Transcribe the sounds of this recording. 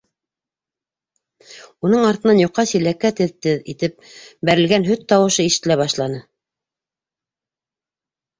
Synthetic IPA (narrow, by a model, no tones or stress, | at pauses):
unɤɴɑɾt̪ɤ̆nɑnjŏqːɑsilækːæt̪ɘðt̪ɘðḭt̪ɘp̚bæɾɘ̆lɡænɦɵt̪ːɑwɤ̆ʃɤiʃɘ̆t̪ːɘ̆læβɑʃlˠɑnɤ